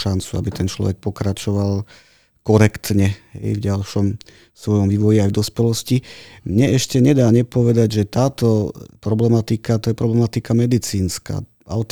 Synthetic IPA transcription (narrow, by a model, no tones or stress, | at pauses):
ʃant͡sua̰bit̪ɛnt͡ʃlɔ̰ʋɛ̰k̚pɔkɾat͡ʃɔʋal | kɔɾɛkt̪ɲɛɦɛ̰jvɟalʃɔm | sʋɔjɔmʋiːʋɔjiajvd̪ɔspɛlɔscimɲɛɛʃcɛɲɛd̪aːɲɛpɔʋɛd̪aɟʒɛt̪aːt̪ɔpɾɔblɛmat̪ikat̪ɔjɛpɾɔblɛmat̪ikamɛd̪it͡siːnska̰ː | aʊt̪